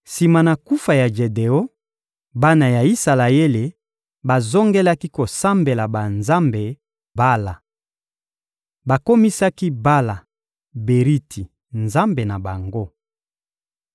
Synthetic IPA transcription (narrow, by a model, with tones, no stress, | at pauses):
si˨ma˨na˨ku˦fa˨ja˨ʒe˨de˨o˦ | ba˦na˨ja˨i˦sa˨la˨je˦le˨ | ba˨zo˦ŋɡe˦la˦ki˦ko˨sa˦mbe˨la˨ba˨nza˦mbe˨ | ba˦la˨ | ba˨ko˦mi˦sa˦ki˦ba˦la˨ | be˨ʁi˦tʰi˨ | nza˦mbe˨na˨ba˨ŋɡo˦